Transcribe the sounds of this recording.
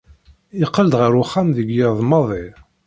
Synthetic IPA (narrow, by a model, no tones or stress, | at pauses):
iqːəld̪ʁəɾuχːamðəɡjɪðˤmɑðˤɪ